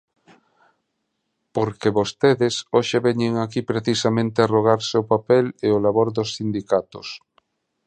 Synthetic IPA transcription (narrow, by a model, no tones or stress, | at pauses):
poɾkeβost̪eðesoʃeβɛɲeŋakipɾeθisamẽnt̪earoɣ̞aɾseopapɛleolaβoɾðosːind̪ikat̪o̰s